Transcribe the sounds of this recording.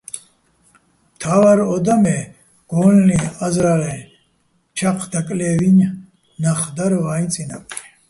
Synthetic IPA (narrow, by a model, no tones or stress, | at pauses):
mt̪ʰawaɾɔd̪amɛ | ɡ̥ɔːlliazɾalɛ | t͡ʃʰaqʰd̪akʼlɛːviɲ | naχd̪aɾvaːint͡sʼina̰pʼi